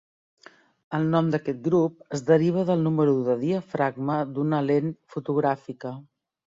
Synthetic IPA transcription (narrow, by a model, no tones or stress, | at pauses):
əlˠnɔmd̪əkɛt̪̚ɡɾup̚əzðəɾiβ̞əðəlˠnuməɾuðəðiəfɾaɡməd̪unəlenfut̪uɣ̞ɾafikə